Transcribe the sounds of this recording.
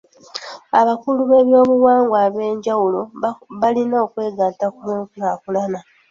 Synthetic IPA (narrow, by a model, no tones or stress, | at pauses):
aβakuluβe̞βjo̞ːβuwaːŋɡwaːβe̞ːɲɟawulo̞βalinoːkwe̞ːɡaːtakuβeːkunakulana